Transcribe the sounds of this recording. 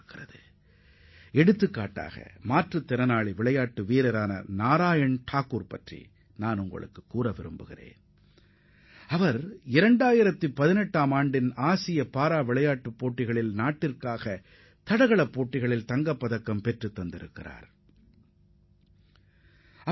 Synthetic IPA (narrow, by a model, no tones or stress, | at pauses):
kːɪrɐðɯ | ɛɽɯt̪ːɯkːa̰ːʈːa̰ːɣɐ̰maːʈrɯt̪ːɪɾɐnaːɭiʋɪɭɐjaːʈːɯʋiːɾɐɾaːnɐ̰naːɾaːjɐɳʈʰaːkːuːɾpɐtrḭ | naːnʊŋɡɐ̰ɭɯ̰kːɯkːuːɾɐʋɪɾɯ̰mbɯɣɪ̰rḛːn | ɐʋɐɾɪɾɐɳɖaːjɪɾɐt̪ːɯpɐðɪnɛʈːaːmaːɳɖɪnaːsɪjɐpaːɾaːʋɪɭɐjaːʈːɯpːoːʈːɪɣɐɭɪlnaːʈːɪrkaːɣɐ | t̪ɐɽɐɣɐɭɐpːoːʈːɪɣɐɭɪlt̪ɐŋɡɐpːɐðɐkːɐmpɛʈrɯt̪ːɐnd̪ɪɾɯkːɪra̰ːɾ | ɐ